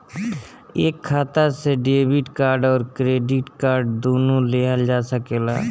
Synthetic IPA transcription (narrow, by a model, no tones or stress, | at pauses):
eːkʰːaːt̪aseɖeːbɪʈkaːɾɖɔːɾkɾeːɖɪʈkaːɾɖd̪oːnoleːɦəld͡ʒaːsəkela̰ː